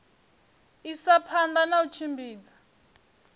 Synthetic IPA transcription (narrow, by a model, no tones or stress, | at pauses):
isapʰand̪anaut͡ʃʰimbiːd͡zḁ